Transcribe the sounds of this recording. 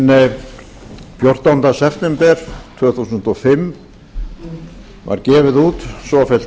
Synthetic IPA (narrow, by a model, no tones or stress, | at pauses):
nɪ | pjoɾ̥t̪ant̪asɛft̪ɛmpɛɾ̥t̪ʰvœːθusʏnt̪ɔfɪm | va̰ɾcɛːvɪðuːt̪sɔfɛl̥t̪